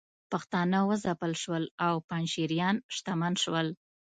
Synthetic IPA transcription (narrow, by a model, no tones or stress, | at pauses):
paxt̪ɑnawəzapəlʃwəlawpɑnʃiɾjɑnʃt̪amanʃwəl